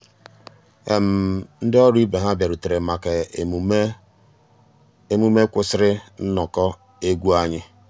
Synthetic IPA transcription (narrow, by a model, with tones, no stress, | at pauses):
e˨m̩˨n̩˦dɪ˦ɔ˦ɾi˦be˨ɦa˦bja˨ɾu˨te˨ɾe˨ma˨ke˨ | e˦mu˦me˦kʷʊ˦sɪ˦ɾɪ˦n̩˦nɔ˨kɔ˦ | e˦ɡʷu˦a˦ɲɪ˦